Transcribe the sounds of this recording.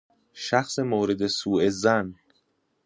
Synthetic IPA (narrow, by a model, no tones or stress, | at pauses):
ʃæxsemoːɾed̪e̞suːezæn